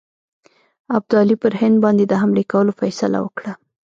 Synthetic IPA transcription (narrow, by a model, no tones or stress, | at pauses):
ab̚d̪ʊɑlipəɾhɪnd̪̚bɑnd̪ed̪əɦamlekawəlofajsala̰wəkɽa